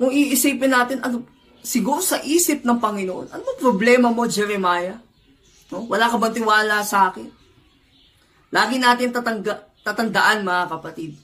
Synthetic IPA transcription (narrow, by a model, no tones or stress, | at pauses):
kʊŋʔiʔɪsiːpɪnːaːt̪ɪnɐɡ | sɪɡuːɾosɐʔiːsɪp̚nɐŋpɐŋɪnoʔo̞̰nʔɐ̰noŋpɾoblɛːmɐmo̞d͡ʒɛɾɛmaːjɐ | nowɐlakɐbɐnt̪ɪwaːlasɐʔaːkɪn | laːɡɪnaːt̪ɪnt̪ɐt̪ɐŋɡɐt̪at̪ɐnd̪ɐʔanmɐŋakɐpɐt̪ɪd̪̚